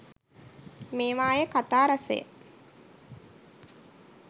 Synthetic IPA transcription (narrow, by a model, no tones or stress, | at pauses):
meːʋaːjəkat̪aːɾasə̰jə̰